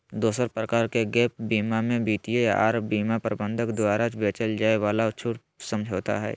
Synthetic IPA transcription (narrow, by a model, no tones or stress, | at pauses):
d̪oːsəɾpɾəkaːɾkeɡɛːp̚biːmamẽbiːt̪ijeja̰ʔaːɾbiːmapəɾbə̃nd̪ʱəkd̪waːɾat͡ʃbeːt͡ʃəld͡ʒaːeʋaːlat͡ʃʰuːʈ | sə̃md͡ʒʱoːt̪a̰ɦɛ̰ː